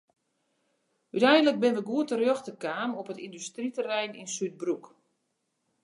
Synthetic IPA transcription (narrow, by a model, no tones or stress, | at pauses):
ytɛjndələk̚bɪnʋəɡuətərjoxtəkaːmopətindystritərɛjninsyt̚bruk